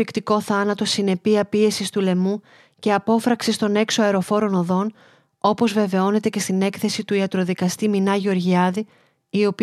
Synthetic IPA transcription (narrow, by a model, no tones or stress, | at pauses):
ikt̪iko̞θɐnɐt̪o̞sine̞piɐpie̞sist̪ule̞mu | ce̞ɐpo̞fɾɐksist̪o̞ne̞kso̞ɐeɾo̞fo̞ɾo̞no̞ðo̞n | o̞po̞zve̞ve̞o̞ne̞t̪e̞ce̞st̪ine̞kθe̞sit̪uiɐt̪ɾo̞ðikɐst̪iminɐʝo̞ɾʝiɐði | io̞p